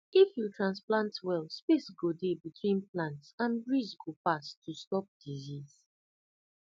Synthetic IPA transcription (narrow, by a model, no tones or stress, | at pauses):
ifjutʰɹãnsplãntwɛlspesɡodebitʰwĩnplãntsãnbɹizɡopastʰustɔp̚diziz